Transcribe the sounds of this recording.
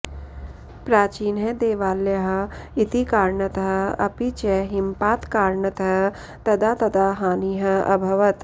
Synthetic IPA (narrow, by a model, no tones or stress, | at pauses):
pɾaːt͡ʃiːnɦed̪eːʋaːljɐɦɐ̆it̪ikaːɾɳɐt̪ɐɦɐɐpit͡ʃeɦimpaːt̪kaːɾɳɐt̪ɐ | t̪ɐd̪aːt̪ɐd̪aɦaːniːɦɐ̆ɐ̰bʱɐʋɐt̪